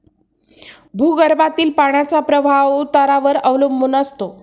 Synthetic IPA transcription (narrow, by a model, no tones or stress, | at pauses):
bʱuːɡəɾbat̪iːlpaɳ̃jat͡sapɾəbʱaʋut̪aɾaʋəɾəʋlumːunəst̪o